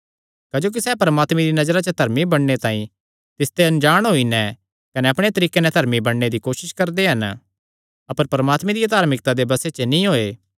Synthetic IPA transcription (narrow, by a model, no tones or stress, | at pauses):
kɐd͡ʒoːk̬isɛːpɐɾəmaːt̪mẽɾinɐd͡ʒɾat͡ʃəd̪ʱɐɾmibɐɽːet̪ãːĩ | t̪ɪst̪eɐ̃nd͡ʒaːɽ̃ɦoːinɛ̃ | kɐneɐpɽ̃et̪ɐɾiːkenɛ̃d̪ʱɐɾmibɐɽːed̪ikoːʃɪʃkɐɾd̪eɦɐn | ɐpəɾpɐɾəmaːt̪mẽd̪ijad̪aːɾmɪk̚t̪ad̪ebɐset͡ʃnĩɦoːeː